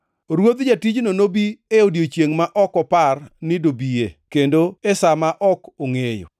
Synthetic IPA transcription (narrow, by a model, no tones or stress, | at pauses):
ɾwod̪d͡ʒatid͡ʒnonobieodjot͡ʃjeŋmaʔɔkɔparnɪdobiekendoesamaʔɔkoŋejo̰